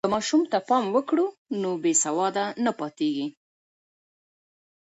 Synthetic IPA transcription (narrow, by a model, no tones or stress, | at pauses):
kəmɑʃumt̪apɑmwəkɽunobesawɑd̪anapɑt̪eɡi